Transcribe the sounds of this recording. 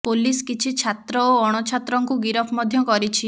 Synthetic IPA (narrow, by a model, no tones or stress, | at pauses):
poliskit͡ʃʰit͡ʃʰat̪ɾɔoɔɽ̃ɔt͡ʃʰat̪ɾɔŋkuɡiɾɔpʰmɔd̪ʱjɔkɔɾit͡ʃʰi